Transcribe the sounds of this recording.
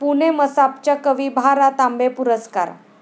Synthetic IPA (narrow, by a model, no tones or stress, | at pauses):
puneməsap̚t͡ɕjakəʋibʱaɾat̪ambepuɾəska̰ɾ